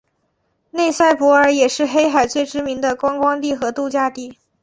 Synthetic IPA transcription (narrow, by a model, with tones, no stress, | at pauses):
ne˥˧ɪsa˥˩ɪpwɔ˧˥ə˞˧˥jɛ˨˩ʂɻ̩˥˧xe˥ɪxa˨˩ɪt͡swe˥˩ɪʈ͡ʂɻ̩˥mi˧˥ŋd̪ə˧kwɑ˥ŋkwɑ˥ŋt̪i˥˩xɤ˧˥t̪u˥˧t͡ɕja˥t̪i˥˩